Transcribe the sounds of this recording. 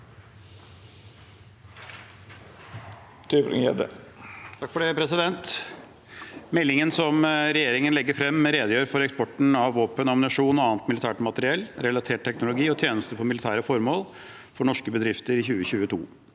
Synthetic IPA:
t̪ʰyːpɾɪ̰ŋjɛ̰d̪ə̰t̪ʰɑkfɔɖeːpʰɾɛsɪd̪ɛnt̪ | mɛlːɪŋənsɔmɾɛjeːɾɪŋənlɛɡːəɾfɾɛmːɾeːd̪əjøːɾfɔɾɛkspɔʈn̩ɑʋːoːpənɑmnɪʂuːnɔɑːnt̪mɪlɪt̪ʰæːʈmɑt̪əɾɪɛlɾɛlɑt̪ʰeːʈ̚t̪ʰɛknʊlʊɡiːɔt̪ʰjeːnəst̪əfɔɾmɪlɪt̪ʰæːɾəfɔɾmoːl | fɔɳɔʂkəbəd̪ɾɪft̪əɾɪçʉːəçʉːət̪ʰṵː

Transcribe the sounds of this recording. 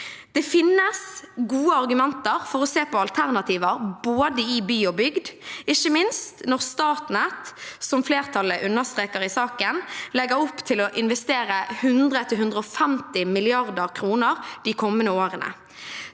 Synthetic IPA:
d̪̥ɛfɪnːəsɡuːəɑʁɡʉmɛnt̪əʁfɔɾɔseːpɔɑlt̪ʰæʁnɑt̪ʰiːʋəɾboːd̪əɪbyːɔbʏɡd̪ɪçːəmɪnst̪nɔʁst̪ɑːt̪nɛt̪sɔmfleːʁt̪ʰɑlːəʔʉnːəʁst̪ʁeːkəɾɪsɑːkənlɛɡəɾɔpːt̪ʰɪlɔʔɪnʋɛst̪eːɾəhʉnd̪ʁət̪ʰɪlɦʉnd̪ʁəɔfɛmt̪ɪmɪlɪɑʁd̪əʁkʰɾuːnəʁd̪ɪkʰɔmːənəoːɾənə̰

